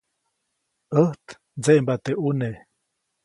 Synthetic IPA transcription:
əht̪ | d͡zeʔmbat̪eʔune

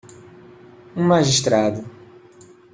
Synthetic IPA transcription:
ũmaʒiʃt̪ɾad̪ʊ

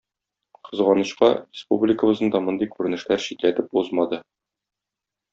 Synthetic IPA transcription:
qɤ̆zʁɑnɤ̆ɕqɑ̰rʲɪspṵblʲɪkə̆bɤ̆zɤnd̪ɒmɤ̆nd̪ɤjkʉɾɘ̆nɘ̆ʃlæɾɕit̪læt̪ɘpuzmɑd̪ɤ

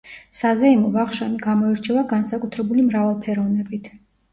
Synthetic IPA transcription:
sazɛimɔvaχʃaniɡamɔɛɾt͡ʃʰɛvaɡansakʼut̪ʰɾɛbulimɾavalˠpʰɛɾɔvnɛbit̪ʰ

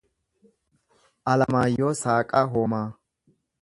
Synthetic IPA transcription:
ʔɐlɐmaːjosaːkʼɐɦoːmaː

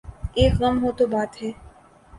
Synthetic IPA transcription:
eːkɣɐmɦot̪obaːt̪ɦɛː

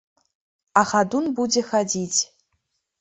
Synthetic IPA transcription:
axadunbudʲexad͡zʲitʰʲ

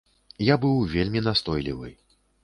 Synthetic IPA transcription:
jabɨwvʲelʲmʲinast̪ɔjlʲḭvɨ̰

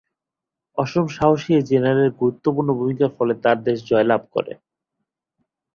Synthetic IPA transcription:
ɔʃomʃaɦoʃied͡ʑenaɾeɾɡuɾut̪ːopuɾnobʱumikaɾfɔlet̪aɾd̪eʃd͡ʑɔelab̚ko̰ɾḛ

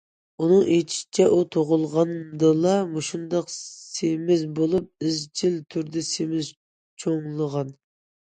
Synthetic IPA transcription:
unɨŋʔet͡ʃʰi̥ʃt͡ʃʰɛʔut̪ʰoʁʊlˠʁɑnmd̪ɨlˠɑmuʃund̪ɑqsemɪzbolˠup̚ɪzt͡ʃʰilt̪ʰyɾd̪ɪsemɪz | t͡ʃʰoŋlˠəʁɑn

